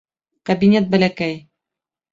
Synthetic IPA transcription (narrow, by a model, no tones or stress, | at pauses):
kɐbinʲet̪̚bælækæj